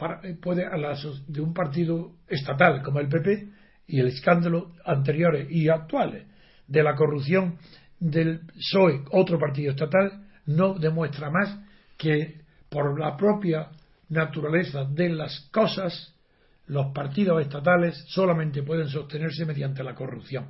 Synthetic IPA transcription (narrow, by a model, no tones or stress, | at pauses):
paɾapwe̞ðealasod̪eumpaɾt̪̬iðoe̞st̪at̪alko̞moe̞lp̬e̞p̬e̞ | ieleskand̪aloant̪̬e̞ɾjo̞ɾeʔiak̚t̪wale | d̪e̞lak̬o̞ruθjo̞ŋ | d̪e̞lso̞eo̞t̪ɾopaɾt̪̬iðoest̪at̪al | no̞ðe̞mwe̞st̪ɾamas | ke | po̞ɾlapɾo̞pja | nat̪uɾale̞θaðe̞lasko̞sas | lo̞spaɾt̪ið̞ose̞st̪at̪̬ale̞sːo̞lamẽnt̪epwe̞ð̞e̞ŋs̬o̞st̪e̞ne̞ɾseme̞ðjant̪e̞lako̞rupθjõ̞ŋ